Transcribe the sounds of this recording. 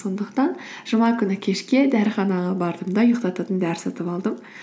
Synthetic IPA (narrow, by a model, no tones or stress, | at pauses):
so̞nd̪əqt̪ɑnʒəmɑkʲʰʏnɪkʲʰe̞ʃkʲe̞d̪æɾχɑnɑʁɑbɑɾd̪əmd̪ɑjəqt̪ɑt̪ɑt̪ənd̪æɾɪsɑt̪əpɑlˠd̪əm